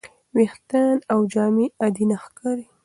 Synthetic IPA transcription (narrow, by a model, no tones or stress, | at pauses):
wext̪anawd͡ʒɑmiad̪inaxkɑɾi